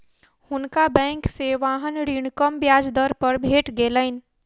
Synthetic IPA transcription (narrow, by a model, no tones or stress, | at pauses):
hʊnkabɛ̃ːŋkseʋaːɦənɾiɽ̃kəmbjaːd͡ʒd̪əɾpəɾbʱeːʈɡeːləɪn